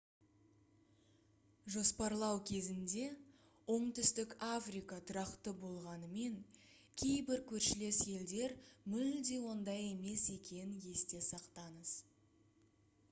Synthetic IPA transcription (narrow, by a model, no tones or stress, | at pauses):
ʒo̞spɑɾlˠɑwkʲʰe̞zɪnd̪e̞ | wo̞ɴt̪ʏst̪ɪkafrijkɑt̪ʰʊɾɑqt̪əbo̞lˠʁɑnəme̞ŋ | kʲʰe̞jbɪɾkʲʰɵɾʃɪle̞sje̞ld̪e̞ɾmʏld̪e̞wo̞nd̪ɑje̞me̞se̞kʲe̞nɪnje̞st̪e̞sɑqt̪ɑɴəz̥